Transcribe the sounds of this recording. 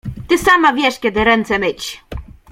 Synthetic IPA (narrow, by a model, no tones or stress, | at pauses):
t̪ɘsamavʲjɛʂkʲɛd̪ɘɾɛnt̪sɛmɘt͡ɕ